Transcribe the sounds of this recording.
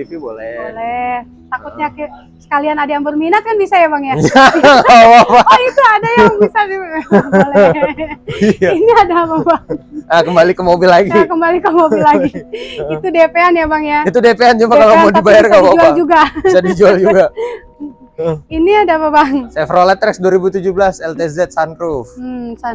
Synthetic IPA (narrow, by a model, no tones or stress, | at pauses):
t̪ipibolɛbolɛh | t̪akut̪̚ɲaki | sə̥kalianadajaŋbərminat̪̚kanbisajabaŋjajaawapait̪uadajaŋbisadibolɛ | iainiadababaŋakəmbalikəmobilaɡikəmbalikəmobilːaɡiit̪udepeanjabaŋjait̪udepeant͡ʃumpakalamadiibajarkawauaald͡ʒuɡasadid͡ʒuald͡ʒuɡa | iniadapabaŋsɛfɾolɛt̪ɾɛksduaɾibut̪ud͡ʒubəlasɛlt̪ezɛt̪̚sanɾufs